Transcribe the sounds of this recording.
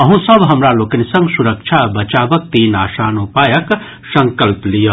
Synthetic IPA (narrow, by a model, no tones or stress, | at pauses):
ɐɦũsəbɦɐmɾaloːkɐnisə̃ŋɡsuɾək̚t͡ʃʰabɐt͡ʃaːbək̚t̪iːnaːsaːnupajək | sɐŋkəlplijə